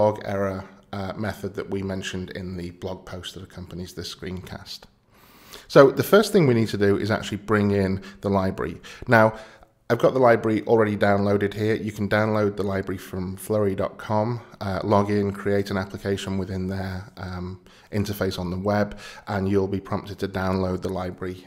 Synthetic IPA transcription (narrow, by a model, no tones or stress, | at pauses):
ɔɡɛ̰ɹəmɛθəd̪̚ðəʔwimɛ̃nʃə̃ndɪ̰̃nðɨblɒɡ̚pʰoʊstðəɾəkʰʌ̃mpənizðəskɹḭ̃ːnkʰa̰st | soʊðəfɜˑ˞sθɪ̃ŋwinid̚tʰədɨɪ̰za̰k̚t͡ʃʉl̩ˠibɹɪ̃ŋɪ̃nðəlaɪbɹə̰ɹḭnaʊ | aɪvɡɒʔ̪̚ðəlaɪbɹəɹiʔɔl̩ˠɹɛɾidãʊ̃nloʊɾɨd̚hiəjɨkʰə̃n̩dãʊ̃nloʊd̪̚ðəlaɪbɹəɹifɹə̃ɱflɜɹidɒ̰t̚kʰɒ̃mʌlɒɡɪ̃nkʰɹ̥ieɪtə̃naplɪkʰeɪʃə̃nwɪðɪ̃nðə˞ | ʔɪ̃ntəfeɪsn̩ðəwɛbʔə̃njul̩ˠbipʰɹ̥ɒ̃mptɪd̚tʰɨdãʊ̃nloʊd̪̚ðəlaɪbɹəɹi